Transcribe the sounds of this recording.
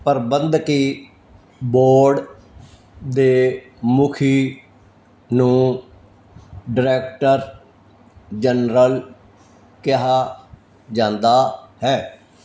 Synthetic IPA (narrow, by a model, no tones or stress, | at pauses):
pəɾbənd̪kiː | boːɾɖ | d̪eː | mʊkʰiː | nũː | ɖɪɾɛːkʈəɾ | d͡ʒənɾəl | kɪɦaː | d͡ʒãːnd̪aːhɛː